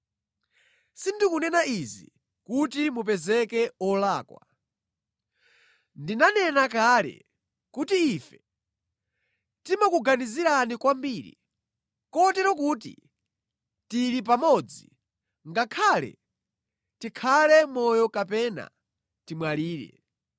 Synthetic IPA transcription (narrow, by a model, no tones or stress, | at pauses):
sindikunɛnaizḭ | kutimup̬ɛzɛkɛɔlaːkwa̰ | ndinanɛnakalɛ̰ | kutiːfɛ̥ | timakuɡaniziɾanikwambiːɾḭ | kɔtɛɾɔkuːtḭ | tiɾip̬amɔd͡zi | ŋɡakʰaːlɛ̰ | tikʰalɛmɔjɔkapɛna̰ | timwaliːɾɛ̰